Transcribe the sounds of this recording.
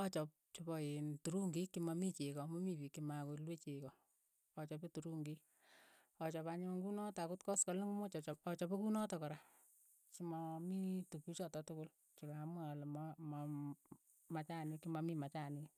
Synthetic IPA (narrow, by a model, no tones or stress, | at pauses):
ɔt͡ʃɔp̚t͡ʃobɔentuɾuŋɡikːimamit͡ʃekɔmɔmipikːimakolwet͡ʃekɔː | t͡ʃɔpetuɾuŋɡi | ɔt͡ʃɔpaɲɪŋɡunɔtakutkɔskaliŋmot͡ʃɔt͡ʃɔɔt͡ʃɔpekunɔtɔkɔɾa | kimamitukut͡ʃɔtɔtʊkʊl | t͡ʃikamalmama | mat͡ʃanikimamimat͡ʃani